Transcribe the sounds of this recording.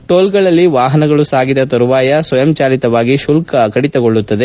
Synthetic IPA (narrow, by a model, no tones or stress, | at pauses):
ʈoːlɡɐɭɐlːiʋaːɦɐnɐɡɐɭusaːɡid̪ɐt̪ɐɾuʋaːjɐsʋɐjɐmt͡ʃaːlit̪ɐʋaːɡiʃulkɐkɐɽit̪ɐɡoɭːut̪ːɐd̪e̞